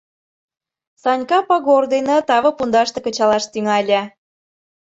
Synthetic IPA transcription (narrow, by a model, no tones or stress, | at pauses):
sɑnʲkɑpɑɣord̪enɑ̆t̪ɑβɤ̆pund̪ɑʃt̪ɤ̆kə̆t͡ɕɑlɑʃt̪yŋɑlʲæ